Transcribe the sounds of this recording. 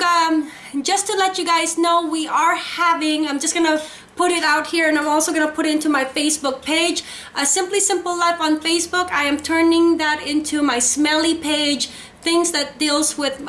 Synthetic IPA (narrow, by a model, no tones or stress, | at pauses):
ʌm | d͡ʒʌstʰɨlɛt͡ʃɨɡaɪznoʊwiʔə˞hævɪ̃ŋãɪ̃md͡ʒʌsɡ̥ʌnə | pʰʊɾɨɾaʊt̚hiɹɨ̃nãɪ̃mɔlˠsoʊɡʌnəpʰʊɾɨɾɪ̃ntʉmaɪfeɪsb̥ʊk̚pʰeɪd͡ʒ | ʔɨsɪ̃mplisɪ̃mpl̩ˠlaɪfn̩feɪsb̥ʊkaɪɨ̃mtʰɜ̃˞nɪ̃ŋðɨɾɪ̃ntʰʉmaɪsmɛlˠipʰeɪ̥d͡ʒ̥ | θɪ̃ŋzðɨt̚d̥ilˠzwɪð